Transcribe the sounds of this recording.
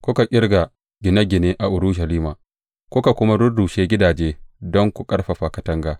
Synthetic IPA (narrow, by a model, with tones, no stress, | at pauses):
kʷʊ˦ka˨kʲʼɪ˦ɾɡa˨ | ɡʲɪ˨na˦ɡʲɪ˨neː˦ʔa˨ʔʊ˨ɾu˦ʃ̬ɐ˨liː˦maː˨ | kʷʊ˦ka˨kʷʊ˦ma˦ɾʊ˦du˨ʃeː˦ɡʲɪ˦daː˨d͡ʒeː˦dɔ˦ŋkʷu˨kʼɐ˦ɽɸa˨ɸa˨kɐ˨tɐ˦ŋɡaː˨